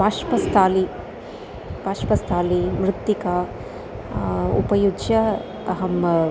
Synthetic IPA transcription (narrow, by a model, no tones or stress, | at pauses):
paːʃpɐst̪ʰaːli | paːʃpɐst̪ʰaːlimɾɪt̪ːika | ṵpɐjudjɐ | ɐɦɐm